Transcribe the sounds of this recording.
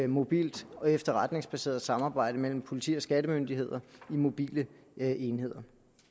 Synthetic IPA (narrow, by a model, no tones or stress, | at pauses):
mo̝b̥ḭːld̥ɒ̽efd̥ɐʁɑd̥ne̝ŋsb̥æse̝̰ːɐð̩ˠsɑ̈mɑ̈ːb̥ɑ̈ɪ̰ɾ̥əmel̰m̩pʰo̝lit͡sʰḭːɒ̽sɡ̥ædəmønd̥ihe̝ð̞̰ˠɐimo̝b̥ḭːlə | e̝nhe̝ð̞̰ˠɐ